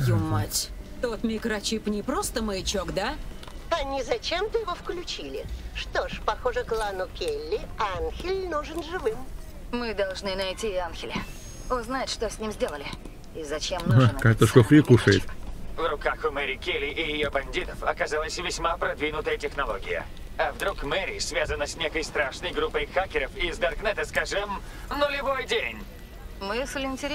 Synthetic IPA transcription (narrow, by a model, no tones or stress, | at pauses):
jumːatʲt̪o̞t̪mʲɪkɾɐt͡ɕipnʲɪpɾost̪əməɪt͡ɕokd̪a | ɐnʲɪzɐt͡ɕemt̪əjɪvofklʲʉt͡ɕilʲɪ̰ʂt̪oʂpɐxoʐɨklˠanʊkʲelʲːɪanxʲɪlʲnuʐɨnʐɨvɨm | mɨd̪ɐlˠʐnɨnɐjtʲianxʲɪlʲɪ | oznajɪt̪ʂt̪osʲnʲimzʲdʲelˠəlʲɪ | izɐt͡ɕemnakakt̪əʂk̪ofɾʲikuʂəjɪ̰t̪vɾʊkaxʊmɛɾʲɪkʲelʲɪʔɪjɪjobɐnʲdʲit̪əfɐkɐzalˠəsʲvʲɪsʲmapɾɐd̪vʲinʊt̪əjətʲɪxnɐlˠoɡʲɪ̰jə̰ | ɐvd̪ɾukmɛɾʲɪsvʲazənːəsʲnʲekəjst̪ɾaʂnəjɡɾupːəjxakʲɪɾəfɪzd̪ɐrknɛt̪əskaʐɨm | nʊlʲɪvo̞jdʲenʲ | mɨslʲɪnʲtʲɪɾʲ